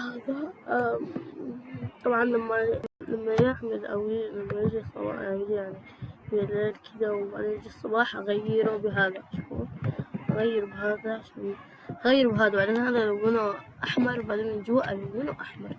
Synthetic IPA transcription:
haːða | t̪ˤɑbʕɑnlamːalamːajɪʕmɪlʔa̰wilamːajɪd͡ʒisˤːɑ̰bɑ̰awjaʕni | bjaleːlkʰɪd̪awʕa̰lenɪd͡ʒisˤːɑbɑːħʔaɣajːɪɾubɪɦaːðaʃṵːɾʔaɣajːɪɾbɪɦaːðaʃu | ʔaɣajːɪɾbɦaːd̪awʕalenhaːðalawɪnaʔaħmɑɾˤbaʕd̪eːnd͡ʒuwaʔalamɪnaʔaħmɑɾˤ

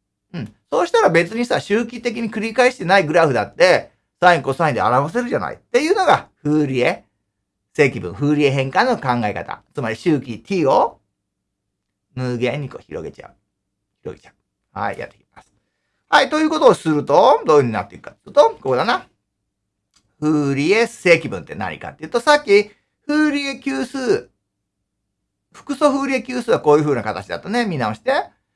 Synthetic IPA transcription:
ɯ̟̃ɴso̞ːɕi̥t̪aɾabe̞t͡sɨɲ̟isaɕɨːk̬ʲit̪e̞k̬ʲiɲ̟ikɯ̟ɾʲikaeɕi̥t̪e̞naiɡɯ̟ɾaɸɯ̟d̪at̪ːe̞ | saĩŋko̞ːsaĩd̪ḛa̰ɾaβas̬e̞ɾɯ̟ʑana̰ḭt̪ːe̞jɯ̟ːno̞ɡaɸɯːɾʲie̞ | se̞ːkʲibɯ̟̃ɸɯ̟ːɾʲie̞ɦẽ̞ŋkano̞kãŋɡaeka̰t̪a̰t͡sɨmaɾʲiɕɨːkʲit̪ʲʰiːo̞ | mɯ̟ːɡẽ̞ɲ̟ːiko̞ːçiɾo̰ɡe̞t͡ɕa̰ɯ̟ | çiɾo̞ɡe̞t͡ɕḁɯ̥ | ha̰ḭja̰t̪ːe̞̥kʲi̥masɨ̥ | hait̪o̞jɯ̟ːko̞t̪oːsɨɾɯ̟t̪o̞d̪oːɯhɯ̟ɲ̟ina̰t̪ːeikɯ̥kḁt̪ːɯːt̪oko̞kod̪ana | ɸɯːɾʲie̞̥e̞ːkʲibɯ̟̃nt̪e̞na̰ɲ̟ḭka̰t̪ːeiɯt̪osakʲːi | ɸɯːɾʲiekʲɨːsɨː | ɸɯ̥kɯ̟so̞ɸɯːɾʲie̞kʲɨːsɨːβako̞ːjɯɸɯ̟ːnakat̪at͡ɕid̪a̰t̪one̞mʲinao̞ɕi̥t̪e̞

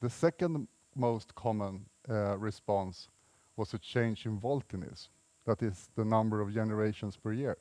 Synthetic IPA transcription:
ðəsɛkə̃nd | moʊstkʰɑmə̃nɹɪspɑ̃ns | wʌstɨt͡ʃʰẽɪ̃nd͡ʒɪ̃ɱvɔlˠtɨ̃nɪ̰s | ðæɾɪzðənʌ̃mbə˞ʌvd͡ʒɛnə˞eɪʃə̃nspʰə˞jɪɹ

